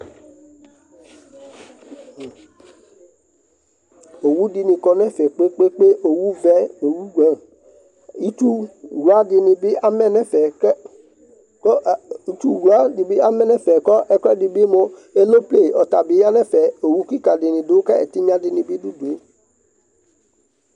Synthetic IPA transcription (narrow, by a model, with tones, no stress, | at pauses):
o˨wu˦dɪ˨nɪ̃˨kɔ˨nɛ˦fɛ˨k͡pe˦k͡pe˦k͡pe˦ʔo˨wu˦vɛ˦o˨ɾu˦ɡʷɛ˨ | i˦t̪u˦˨ɣu˨a˦dɪ˨nɪ̃˨bɪ˦a˨mɛ˦nɛ˦fɛ˨k | kɔ˦˨˦tu˦ɾu˨a˦dɪ˨bɪ˦a˦mɛ˦nɛ˦fɛ˨kɔ˦ʔɛ˦kɔ˦ɛ˦dɪ˨bɪ˦mo˨e˦lo˦ple˦˨ɔ˨ta˨bɪ˨˦ja˦nɛ˦fɛ˨o˨wu˦ki˦ka˨dɪ˨nɪ̃˨dʊ˦kɛ˦ɛ̰˨ti˦mĩ˦a˦dɪ˨nĩ˨bi˦du˦du˨e˦